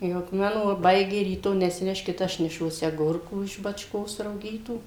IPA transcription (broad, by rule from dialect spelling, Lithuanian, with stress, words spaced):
ˈjɛʊ k ˈmɑːnoː ʋɐˈbɐɪɡʲeː rʲiːˈtoː nʲɛsʲɪˈnʲæːʃʲkʲɪt ˈɐʃ nʲɛˈʃuɔsʲɪ ɐˈɡʊrkuː ɪʃ bɐt͡ʃˈkoːs rɐʊˈɡʲiːtuː